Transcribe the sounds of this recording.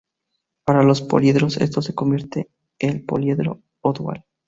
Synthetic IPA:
paɾalo̞spo̰ljeðɾo̞se̞̰st̪o̞se̞ko̞mbje̞ɾt̪e | elpo̞̰ljeðɾo̞̰ | od̪wa̰l

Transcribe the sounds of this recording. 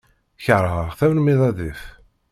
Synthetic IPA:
çəɾˤəʁθæwnmiðˤɑðif

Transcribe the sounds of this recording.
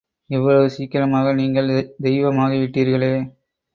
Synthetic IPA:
ɛʋːɐɭɐʋɯsiːkːɪɾɐmaːɣɐniːŋɡɐɭd̪ɛɪʋɐmaːɣɐʋɪʈːiːɾɣɐɭeː

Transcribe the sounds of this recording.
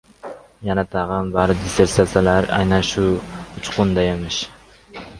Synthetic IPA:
janat̪ʰɑʁɑnbaɾd̪ɪseɾsasalaɾa̰jnanʃʊʊt͡ʃqʰʊnd̪ajemɪʃ

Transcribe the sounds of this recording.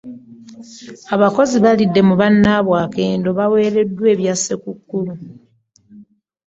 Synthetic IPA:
aβako̞ziβalidːe̞muβanːaːβwaːke̞ːndo̞βawe̞ːɾe̞dːwe̞ːβjasekukːulu

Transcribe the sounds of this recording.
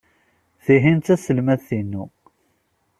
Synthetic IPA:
θiɦint̪æsəlmæθθinːu

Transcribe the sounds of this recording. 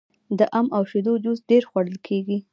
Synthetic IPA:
d̪əʔamawʃed̪od͡ʒ̪uzɖeɾxwaɽəlkʰeɡi

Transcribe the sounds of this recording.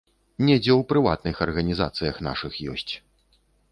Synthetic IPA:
nʲɛd͡zʲɛwpɾɨva̰t̪̚nɨxɐrɣɐnʲiza̰t̪sɨjɐxna̰ʂɨxjɔ̰sʲt͡sʲ

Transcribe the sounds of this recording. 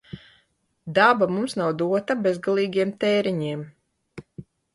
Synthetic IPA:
d̪abamumsnawd̪uɔt̪abezɡalˠiːɡʲiɛmt̪ɛːɾiɲiɛm

